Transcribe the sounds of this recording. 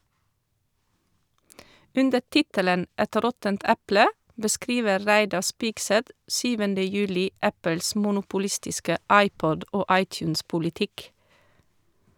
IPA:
ˈʉndəɾ ˈtɪtələn ˈɛt ˈɾɔtənt ˈæplə bəˈskɾiːʋəɾ ˈɹæɪdɑɾ ˈspɪɡsɛt ˈsyːʋəndə ˈjʉːlɪ ˈʔæpəls mʊnʊpʊˈlɪstɪskə ˈɑɪˌpɔd ˈʔoː ˈɑɪˌtjʉːnspʊlɪˌtɪk

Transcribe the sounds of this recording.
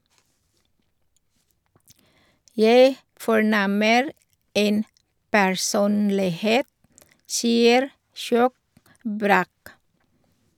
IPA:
ˈjæɪ fɔˈɳɛməɾ ˈeːn pæɹˈsuːnlɪˌheːt ˈsiːəɾ ˈʃjoːk ˈbɾæːk

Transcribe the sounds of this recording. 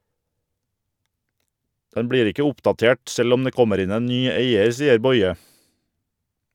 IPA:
ˈdɛn ˈbɽiːɾ ˈɪkə ˈʊpdɑˌteːʈ ˈsɛl ˈɔm ˈdeː ˈkɔməɾ ˈɪn ˈeːn ˈnyː ˈeɪəɾ ˈsiːəɾ ˈbɔʏə

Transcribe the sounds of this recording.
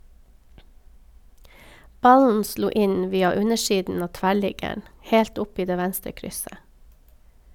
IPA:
ˈbɑln̩ ˈsluː ˈɪn ˈʋiːɑ ˈʉɲəˌʃiːdn̩ ˈɑː ˈtʋæˌɭɪɡəɳ ˈheːlt ˈʊp ˈiː ˈdeː ˈʋænstɾə ˈkɾʏsə

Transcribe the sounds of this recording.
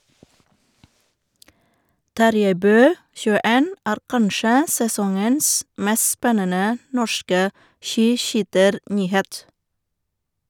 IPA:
ˈtɑɾjæɪ ˈbøː çʉːəˈeːn ˈæːɾ ˈkɑnʃə sɛˈsɔŋəns ˈmɛs ˈspɛnənə ˈnɔʃkə ˈʃiːˌʃyːtəɾˌnyːˌheːt

